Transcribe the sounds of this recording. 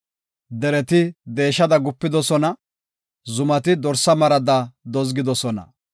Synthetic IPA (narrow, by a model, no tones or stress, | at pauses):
d̪ɛɾɛt̪ɪd̪e̞ːʃːɐd̪ɐɡʊpːɪd̪ɔsɔnɐ | zʊmɐt̪ɪd̪ɔɾsɐmɐɾɐd̪ɐd̪ɔzɡɪd̪ɔsɔnɐ̰